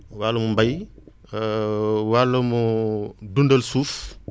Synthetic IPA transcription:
waːlɐmumbɐj | walɐmudundɐlsuːf

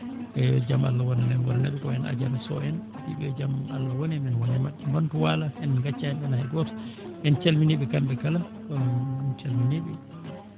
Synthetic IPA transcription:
ɛd͡ʒama̰lːawɔnanɛnwɔɾnɛɗɛkɔɛna̰d͡ʒaɾasɔ̰ɛn | biɓɛd͡ʒamalːawɔnɛnɛnwɔnɛmaɗːimbantuwalaɛnɡat͡ʃːaɛnɗɛnahɛɡɔtɔ̥ɛnt͡ʃalminiɓɛkambɛkala | kɔnt͡ʃalminiɓɛ

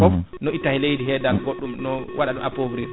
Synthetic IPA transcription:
fɔfnɔitːahilejdiɦɛːdalɡoɗːumnɔwʔaɗaɗumʔapobɾi

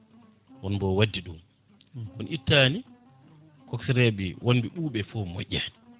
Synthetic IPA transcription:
wɔnbɔwadːiɗum | wɔnʔitːaːni | kɔksɛɾɛɓiwʔonbiɓuːɓɛfɔmo̰ʔʲːani

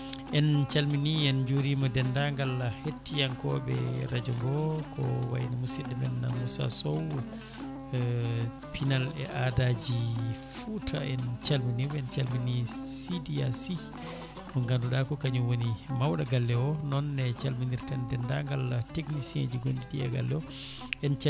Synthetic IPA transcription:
ʔɛnt͡ʃalminiɛnd͡ʒoɾimɔdɛndaŋɡalːahetːijaŋkɔɓɛ̰ɾad͡ʒɔŋɡɔkɔ̰wa̰jnamusiɗɛmɛnːa̰musa̰sɔw | pinalɛ̰ʔadad͡ʒifutʰaɛnt͡ʃalminiwɛnt͡ʃalminisidiasi | mɔŋɡanduɗakɔkaɲuwonimawɗaɡalːɛɔnɔnːɛt͡ʃalminiɾtandɛndaŋɡalːateknisiḛd͡ʒiɡondiɗija̰ɡa̰lːɛɔɛnt͡ʃ

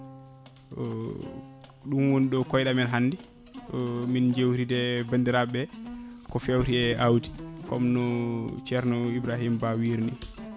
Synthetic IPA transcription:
ɗumwoniɗɔkɔjɗamɛnɦanːdi | mind͡ʒewɾidɛbandiɾabɛkɔfewɾiɛʔawdi̥kɔmnɔt͡ʃɛɾnɔibɾaɦimbawiɾni

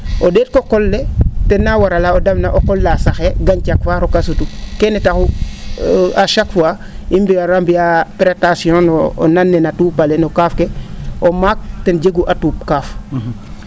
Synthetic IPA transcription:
ʔodɛːt̚kokɔlːetɛnːawaɾalaodɐmnaʔokɔlːasaxɛɡaɲcakfaːɾokasutukɛnɛtaxu | aʃakfwa | imbiaɾambiapɾetasiõnɔ̰ːnanːɛnatuːpalenokaːfkeomaːk̚tɛnɟeɡuʔatuːp̚kaːf

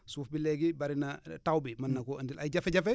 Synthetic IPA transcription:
suːfbilɛɡibaɾinatawbimɐnːɐkɔəndilʔajɟɐfɛɟɐfɛ

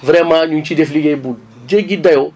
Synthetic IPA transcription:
vɾɛmãɲũt͡ʃidefiliɡebu | d͡ʒeɡidajo

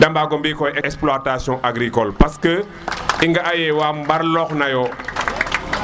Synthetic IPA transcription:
dɐmbaːɡɔmbiːkɔjɛɛksplatasjɔ̃ʔaɡɾikɔlpɐskə | iŋɡɐajɛwaːmbɐɾlɔxnɐjɔ

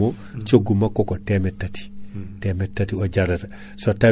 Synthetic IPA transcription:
o | t͡ʃoɡumakːokotemetːati̥temetːatioɟaɾɐt | sota

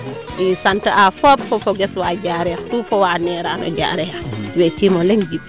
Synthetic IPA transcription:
isantaʔafopfofoɡeswaːɟaːɾɛxtufowaːnɛːɾanɔ̰ɟa̰ːɾɛxwekimoleŋɡib̚

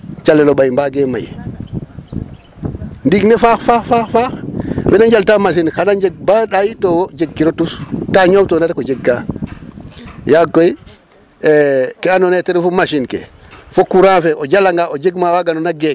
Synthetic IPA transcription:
t͡ʃalːelobajmbaɡema̰j | ndiɡnefaxfaxfafaxbenaɲɟaltamas̬inxanaɲɟeɡ̚baɗajitowod͡ʒeɡ̚kːiɾotustaɲowtonaɾkod͡ʒeɡːa | jakːoj | kɛanoneteɾifomaʃinkḛ | fokuɾãːfeʔoɟalaŋɡaod͡ʒeɡmawaɡanonaɡek̚

